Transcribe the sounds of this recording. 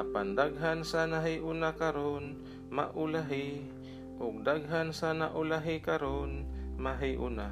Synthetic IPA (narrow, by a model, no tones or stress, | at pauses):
apand̪aɡ̚ɦansanaɦijʔʊnakaɾon | ma̰ʔʊlaɦɪ | ʔʊɡ̚d̪aɡ̚ɦansanaʔʊlaɦɪkaɾonmaɦɪʔʊ̰na